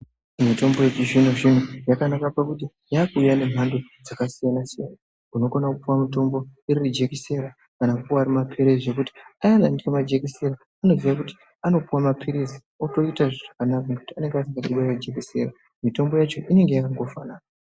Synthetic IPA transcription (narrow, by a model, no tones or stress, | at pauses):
mito̞mbo̞jet͡ʃiʒin̤oʐin̤ujakanakapakuti | jakuːjane̞m̤ʱandod͡zakasijanasijana | uno̞konakupuwamito̞mbo̞iɾirid͡ʒekise̞ɾa | kanakuwoaɾimapʰeɾeʐekuti̥ajanandikemad͡ʒe̞kiseɾaːno̞ziʋak̬uti̥ | ano̞puwamapʰiɾizi | oto̞itaʐoʐakanakakutiane̞ŋɡeas̬iŋɡaɗiwared͡ʒe̞kise̞ɾa | mito̞mbo̞jat͡ʃo̞ʔine̞ŋɡe̞jakaŋɡo̞faːnaːna